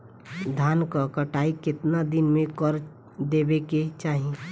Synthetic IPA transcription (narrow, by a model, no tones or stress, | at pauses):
d̪ʱaːnkakəʈaːikɪt̪nad̪ɪnmẽkəɾ | d̪eːbeket͡ʃaːɦẽ